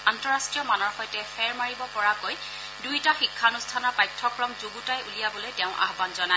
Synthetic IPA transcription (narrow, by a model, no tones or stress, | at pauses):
antɔɹastɹijɔmanɔɹxɔjtɛpʰɛɹmaɹibɔpɔɹakoj | dujtaxikʰːanustʰanɔɹpajtʰːɔkɹɔmzuɡutajulijabɔlojtɛʊ̃ʔa̰ɦbanzɔna